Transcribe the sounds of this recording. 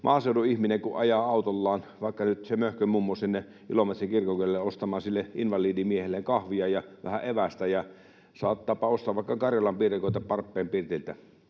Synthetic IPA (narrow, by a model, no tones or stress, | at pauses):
mʔɑːseˑuduihmineŋkuʔʔɑjɑɑˑut̪olːɑːnʋɑˑikːɑnyt̪semøhkømumːosinːe | ʔilomet̪rikirkokyølelːeost̪ɑmˑɑːnsilːeʔinʋɑliːdimiehelːeŋkɑhʋiɑjɑʋæ̰hæʔeʋæst̪æjɑ | sɑ̰ːt̪ːɑːpɑost̪ɑːʋʋɑˑekːɑkɑrjɑlɑmpiːrekoˑit̪ɑpɑrpːeːmpirt̪ilt̪æ